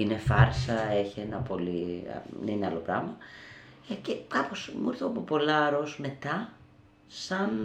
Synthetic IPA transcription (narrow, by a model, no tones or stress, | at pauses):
ine̞fɐɾsɐeçienɐpo̞lḭnineɐlo̞pɾɐmɐ | ecekɐpo̞smuɾθoɐpopo̞lɐɾosme̞t̪ɐ | sɐn